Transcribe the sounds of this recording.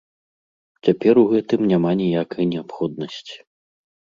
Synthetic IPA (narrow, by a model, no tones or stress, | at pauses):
t͡sʲapʲɛɾuɣɛt̪ɨmnʲamanʲijakɐjnʲɛapxɔd̪̚nɐsʲt͡sʲi̥